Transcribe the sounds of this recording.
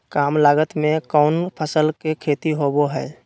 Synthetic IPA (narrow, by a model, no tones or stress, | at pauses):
kaːmlaːɡət̪mẽkɔʊnpʰəsəlkekʰeːt̪iɦoboɦɛː